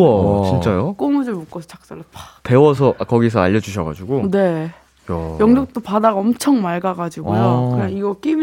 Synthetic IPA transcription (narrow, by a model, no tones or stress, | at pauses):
ʌt͡ɕint͡ɕ͈ajok͈omud͡ʑɯɭmok͈ʌsʰʌt͡ɕak̚s͈aɾʌpate̞wʌs̬ʰʌʔkʌɡies̬ʰʌaʎːʌd͡ʑuɕ̬ʰʌɡa̰d͡ʑuɡone̞ | jʌŋd͡ʑok̚t͈opadaɡaʌmt͡ɕʰʌŋmaɭɡaɡad͡ʑiɡojokɯɲaŋiɡʌk͈im